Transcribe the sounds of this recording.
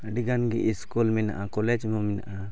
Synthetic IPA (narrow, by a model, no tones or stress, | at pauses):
ɖiɡanɡiʔiskulmɛna̰ʔakɔlɛd͡ʒmɔmɛna̰ʔa